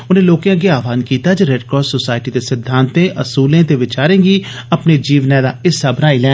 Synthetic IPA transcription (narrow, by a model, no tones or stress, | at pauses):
ʊnẽːloːkjãːɡeaːʋaːnkiːt̪aːd͡ʒeɾeːɖkɔːsoːsaːɪʈiːd̪eːsɪd̪ʱːãːnt̪ẽːʔəsuːlẽːt̪eːʋɪt͡ʃaːɾẽːɡiːəpneːd͡ʒiːʋnɛ̃ːd̪aːɪsːəbnaːilɛ̃ː